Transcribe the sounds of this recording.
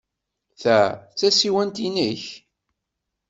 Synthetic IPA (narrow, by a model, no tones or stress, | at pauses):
θæt͡sːæsiwænt̪inəç